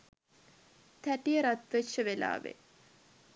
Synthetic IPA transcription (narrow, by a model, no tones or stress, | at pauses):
t̪æʈijəɾat̪ʋeʃəʋela̰ːʋḛ